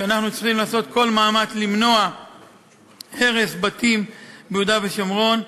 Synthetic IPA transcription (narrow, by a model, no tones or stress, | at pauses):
ʃeanaχnut͡siχimlaːso̞t̪kʰo̞lmaːmat͡slimno̞a | he̞ʁe̞sbat̪imbeud̪aveʃamʁo̞n